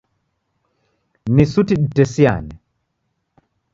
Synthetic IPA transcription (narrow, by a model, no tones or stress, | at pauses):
nisutiɗitɛsia̰nɛ